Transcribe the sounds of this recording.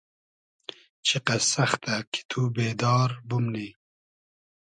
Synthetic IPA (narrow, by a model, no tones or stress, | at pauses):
t͡ʃʰiqɐsɐxt̪akʰi̥t̪ʰubeːd̪ɑːɾbumni